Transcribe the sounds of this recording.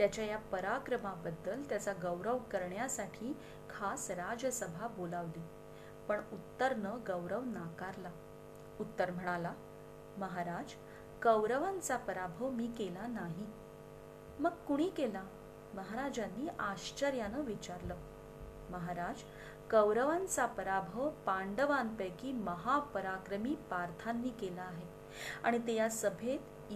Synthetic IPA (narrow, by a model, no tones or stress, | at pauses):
t̪jat͡ɕjajapəɾakɾəmabəd̪ːəlt̪jat͡saɡəwɾəʋkəɾɳjasaʈʰiː | kʰasɾad͡ʑəsəbʱabolaʋliː | pəɳut̪ːəɾnəɡəʋɾəʋnakaɾla | ut̪ːəɾm̤əɽ̃ala | məɦaɾad͡z | kəʋɾəʋant͡sapəɾabʱəʋmiːkelanaɦi | məɡkuɽ̃iːkela | məɦaɾad͡zanːiːʔaɕt͡ɕəɾjanəʋit͡ɕaɾləː | məɦaɾad͡z | kəwɾəʋant͡sapəɾabʱəʋpaɳɖəʋanpəjkiːməɦapəɾakɾəmiːpaɾt̪ʰanːiːkelaːɦe | a̰ɽ̃it̪ejasəbʱet̪